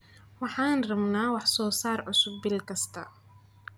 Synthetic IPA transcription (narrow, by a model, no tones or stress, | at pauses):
wɑħɑːnrɐmnaːwɑħsɔːsaːrʕʊsʊb̚ːɪlkʰɐst̪ʰɐ